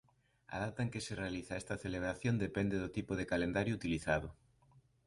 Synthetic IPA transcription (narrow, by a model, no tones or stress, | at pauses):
a̰ð̞ap̚t̪aŋkeserealiθaest̪aθeleβ̞ɾaθjond̪epend̪eðot̪ipoð̞ekalend̪aɾjout̪iliθaðʊ